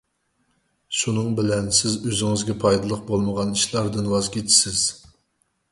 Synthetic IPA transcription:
ʃunɨŋbɪlɛnsɪzøzɪŋɪzɡʲɛpʰɑjd̪ɨlˠəq̚bolˠməʁɑniʃlˠɑɾd̪ɨnwɑzkʲit̪ʰɪ̥sɪz̥

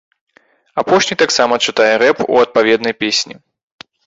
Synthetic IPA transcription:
apɔʂnʲit̪aksamɐt͡ʂɨt̪ajɛɾɛpṵɐt̪̚pavʲɛd̪nɐjpʲesʲnʲḭ

